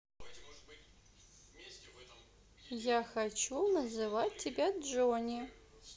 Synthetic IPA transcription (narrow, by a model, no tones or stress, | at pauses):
jaxat͡ʃʰunɐzɨvat̚ʲtʰʲːibʲadd͡ʒonʲi